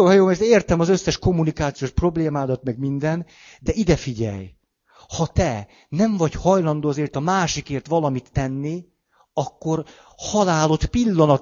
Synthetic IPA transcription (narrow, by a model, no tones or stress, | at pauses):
oːɦjoːmɛrt̪eːrt̪ɛmɒzøsːɛʃko̞mːunikaːt̪sijoːʃpro̞bleːmaːd̪ɒt̪mɛɡmind̪ɛn | d̪ɛid̪ɛfiɟɛ̰j | hɒt̪ɛ | nɛɱvɒɟhɒjlɒnd̪oːɒzeːrt̪ɒmaːʃikeːrt̪ʋɒlɒmit̪ːɛnːi | ɒkːo̞r | hɒlaːlo̞t̪pilːɒnɒt̪